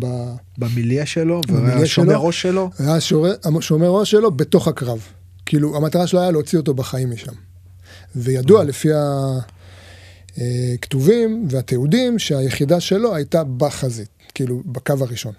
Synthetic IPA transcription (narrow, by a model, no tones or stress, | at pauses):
ba | bamiliaʃelovamiiaʃeloʁoʃeloajaʃeaʃomeʁo̞ʃelo̞be̞to̞χakʁav | kiiluamataʁaʃeloajaleot͡sio̞t̬o̞baχaimːiʃam | vejaduale̞fia | ektuvimveat̪eudimʃeaje̞χidaʃe̞lo̞ajtabaχazit̪kiilubakavaʁiʃo̞n